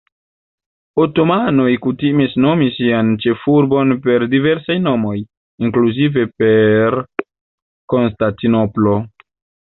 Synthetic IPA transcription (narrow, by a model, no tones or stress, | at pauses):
oto̞mano̞jkutimisno̞misiant͡ʃe̞fuɾbo̞npe̞ɾdive̞ɾsajno̞mo̞j | iŋkluzive̞pe̞ɾ | ko̞nstantino̞plo̞